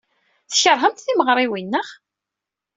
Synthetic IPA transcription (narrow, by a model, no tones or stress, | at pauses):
θçəɾˤɦəmt̪θiməʁɾˤiwinːəʁ